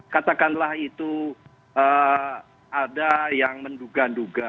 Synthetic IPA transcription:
kat̪akanlahit̪u | ə | adajaŋmənduɡanduɡa

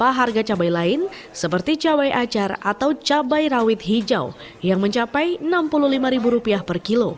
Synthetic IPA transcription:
paɦarɡat͡ʃabajlaɪn | səpərt̪it͡ʃawajʔat͡ʃarat̪awt͡ʃabajrawɪt̪̚ɦid͡ʒa̰w | jaŋməɲt͡ʃapajnampuluhlimaɾibuɾupiahpərkilo

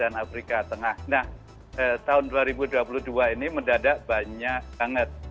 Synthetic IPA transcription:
anafɾikat̪əŋahnah | ət̪aʊnduaɾibuduapuluhduainiməndadaʔ̚baɲak̚baŋət̪̚

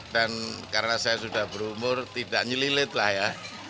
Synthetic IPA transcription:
d̥ankaɾənasajasudahb̥əɾumʊrt̪idaʔɲililɪt̪lahja

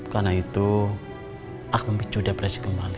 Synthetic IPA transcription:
karnait̪u | ʔak̚məmbit͡ʃudapɾasi̥kəmbali

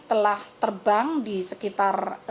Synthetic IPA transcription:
t̪əlaht̪ərbaŋdisəkit̪ar

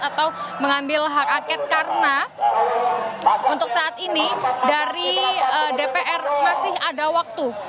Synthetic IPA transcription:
at̪awməŋambɪlɦak̚akɛt̪̚kaɾəna | unt̪ʊk̚saʔat̪̚inidaɾiədepeʔɛrmasɪhadawak̚t̪u

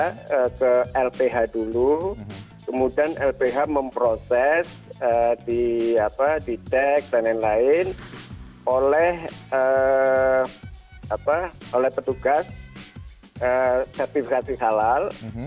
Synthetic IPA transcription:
əkəɛlpeɦadulu | kəmudianʔɛlpeɦaməmpɾosɛs | ədiapadidɛk̚danɛnlaɪn | ʔolɛhə | apaolɛhpət̪uɡas | əsɛrt̪ifikasisalal

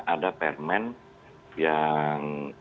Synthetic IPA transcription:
ʔadapɛrmɛn | jaŋ

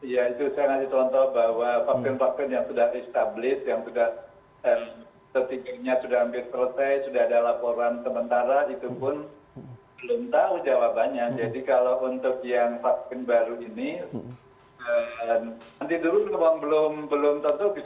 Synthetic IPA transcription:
ijait̪usajaŋasit͡ʃɔnt̪ɔhbawafak̚pɪnfak̚pɪnjaŋsudahɛst̪ablɪsjaŋsudah | əm | t̪ət̪iɡɪrɲasudahambɪlsəɾət̪ɛjsudaɦadalapoɾansəmənt̪aɾait̪upʊn | bəlʊmt̪aud͡ʒawabaɲak̚d͡ʒadikalawʔunt̪ʊk̚jaŋfap̚pɪnbaɾuini | əmnant̪id̪uɾʊnkamaŋbəlʊmbəlʊmt̪ɔnt̪ɔbi

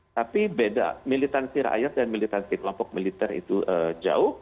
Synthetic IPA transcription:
t̪apibeda̰milit̪ansiɾa̰a̰jat̪̚danmilit̪ansiklɔmpɔk̚milit̪ɛrḭt̪uʔəd͡ʒa̰ʊh

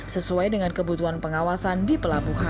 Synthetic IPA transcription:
səsuajdəŋankəbut̪uɦanpəŋawasandipəlabuɦa

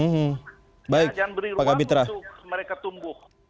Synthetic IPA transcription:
m̩ɦ̩ | baɪkk̚d͡ʒanbəɾiaɡabit̪ɾaməɾekat̪umbʊh

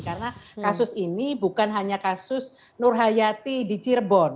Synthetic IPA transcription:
karənakasʊsinibukanɦaɲakasʊs | nʊrɦajat̪idit͡ʃirbɔn

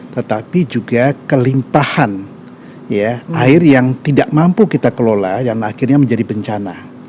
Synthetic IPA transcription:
t̪ət̪apid͡ʒuɡakəlimpahan | jaaɪrjaŋt̪idaʔmampukit̪akəloladanaxɪrɲaməɲd͡ʒadibəɲt͡ʃana

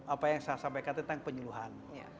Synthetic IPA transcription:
apajaŋsasampajkant̪ənt̪aŋpəɲuluɦan

